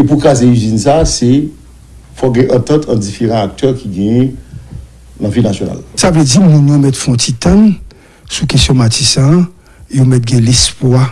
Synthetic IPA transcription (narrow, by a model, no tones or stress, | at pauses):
epukʁazeyzinsase | fɔɡɛ̃ʔɐ̃t̪ãt̪ʰɐ̃d͡zifeʁɑ̃ak̚t̪ʰœʁkiɡɛ̃jɛ̃ | nãvilnasjona̰lsaved͡zimũnjomɛtfɔ̃tit̪ãn | sukesjɔ̃matisã | jomɛt̪̚ɡɛ̃lespwa